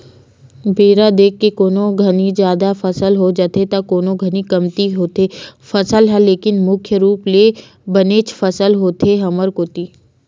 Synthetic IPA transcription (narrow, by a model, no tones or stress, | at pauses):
beːɾad̪eːkʰːekoːnoɡʱɐnid͡ʒjaːd̪afɐsəlɦod͡ʒaːt̪et̪akoːnoɡʱənikɐmt̪iɦoːt̪efɐsəlɦɛ̃leːkɪnmʊkʰjəɾuːple | bɐneːt͡ʃfɐsəlɦoːt̪eɦɐməɾkoːt̪iː